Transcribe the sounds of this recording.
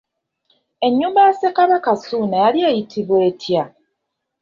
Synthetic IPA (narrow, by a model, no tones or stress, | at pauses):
e̞ɲːuːmbasekaβakasuːnajaljejitʰiβwe̞ːtʰja